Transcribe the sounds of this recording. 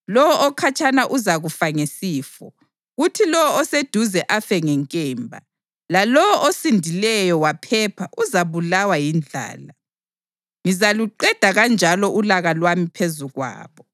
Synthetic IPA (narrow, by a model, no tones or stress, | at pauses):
lɔwɔʔɔkʰat͡ʃʰʼanaʔuzaɣufaŋesiːfɔ | ɣutʰilɔwɔɔsed̥ʱuzɛʔafɛŋɛŋkʼɛːmbʱa̰ | lalɔwɔʔɔsindʱilɛjɔwapʰɛpʰaʔuzaβulawajind͡ɮʱa̰ːla | ŋizaluǃɛd̥ʱaɣand͡ʒʱalɔʔulaɣalwamipʰezuɣwa̰ːβɔ